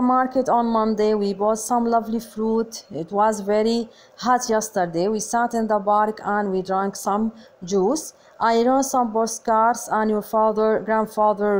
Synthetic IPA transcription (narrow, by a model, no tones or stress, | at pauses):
əmaɾkətɔ̃nmʌ̃ndewibɔːtsʌ̃mlʌvlifɾutɪtwɔzvɛɾi | hatʰjɛst̪əɾd̪ewiːsatɪ̃nd̪əbaɾkãnwidɾãŋksʌ̃md͡ʒuːs | ʔaɪɹõsʌ̃mboskaɾsãnjufaðəɡɾãndfaðə